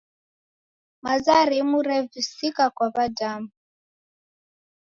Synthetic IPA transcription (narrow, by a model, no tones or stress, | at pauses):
mazaɾimuɾɛvisikakwaβadamu